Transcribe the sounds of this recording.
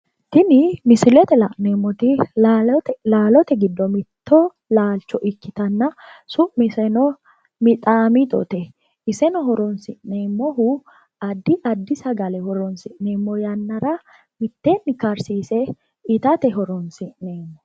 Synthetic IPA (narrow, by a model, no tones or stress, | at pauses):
t̪ɪnɪmɪsɪlɛt̪ɛlɐʔneːmːɔt̪ɪ | laːlɔt̪ɛɡɪd̪ːɔmɪt̪ːɔ | laːlt͡ʃːɔʔɪkːɪt̪ɐnːɐsʊʔmɪsɛnɔ | mɪt̪ʼaːmɪt̪ʼɔ̰t̪ɛ | ɪsɛnɔɦɔɾɔnsɪʔneːmːɔɦʊ | ɐd̪ːɪʔɐd̪ːɪsɐɡɐlɛhɔɾɔnsɪʔneːmːɔjɐnːɐɾɐ | mɪt̪ːeːnːɪkɐɾsiːsɛ | ɪt̪ɐt̪ɛɦɔɾɔnsɪʔneːmːɔ